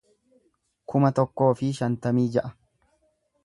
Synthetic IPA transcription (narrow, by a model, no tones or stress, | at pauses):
kʰʊmɐt̪ɔkːo̞ːfɪʃɐnt̪ɐmiːd͡ʒɛʔɐ